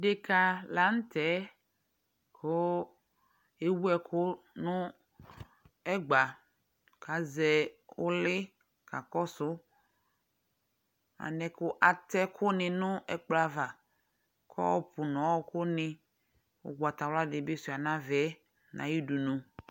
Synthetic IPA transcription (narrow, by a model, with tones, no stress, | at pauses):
ɖe˨ka˨la˨˦ŋ̩˦t̪ɛ˨˦ | kʰo˦ | e˦wu˦ɛ˨kʰʊ˦ | nʊ̃˦ | ɛ˦ɡ͡ba˨ | ka˨zɛ˨wo˦lɪ˦ | ka˨kɔ˦sʊ˦ | a̰˨nɛ̃˨kʊ˦ʔa˨t̪ɛ˦kʰʊ˦nɪ̃˨nʊ̃˦ɛ˦k͡pla˦va˨ | kʰɔ̰˦wɔ˦pu˨nɔ̃˨wɔ˦kʊ˦nɪ̃˨ | wo̰˦ɡ͡ba˨t̪a˨wla˦ɖɪ˨be˦si˨a˨nã˦vɛ˦ | nã̰˨ji˦du˨nũ˨